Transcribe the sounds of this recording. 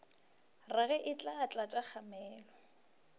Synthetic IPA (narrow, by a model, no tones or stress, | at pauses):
raɣɛʔɪt͡ɬʼat͡ɬʼat͡ʃʼak͡xamɛːlɔ